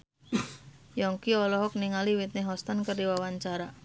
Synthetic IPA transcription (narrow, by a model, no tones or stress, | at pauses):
jɔŋkiɔlɔɦɔk̚niŋaliwit̪̚neɦɔst̪ankərdiwawaɲt͡ʃaɾa